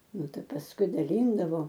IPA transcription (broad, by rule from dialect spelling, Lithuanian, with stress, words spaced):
ˈnʊ ˈtɐɪ pɐsˈkʊɪ dɐˈlʲiːndɐʋoː